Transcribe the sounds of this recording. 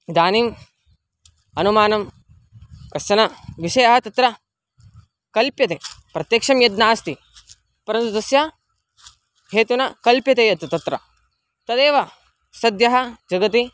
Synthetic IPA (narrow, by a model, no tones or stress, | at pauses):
d̪aːniːm | ɐnumaːnɐm | kɐsɐnɐʋiʃɐjɐɦɐt̪ɐt̪ɾɐ | kɐlpjɐt̪eːpɾɐt̪jɐːkʂɐmjɐd̪naːst̪i | pɐɾɐnt̪ut̪ɐsjɐ | ɦeːt̪unɐkɐlpjɐt̪eːjɐt̪ut̪ɐt̪ɾɐ | t̪ɐd̪eːʋɐ | sɐd̪jɐɦɐd͡ʒɐɡɐt̪i